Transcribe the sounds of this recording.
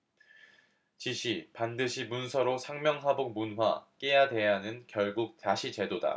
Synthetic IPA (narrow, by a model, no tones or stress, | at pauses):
t͡ɕiɕʰipandɯɕʰimunsʰʌɾosʰaŋmjʌŋɦabok̚munɦwa̰k͈ejade̞janɯnkjʌɭɡuk̚taɕʰit͡ɕe̞doda̰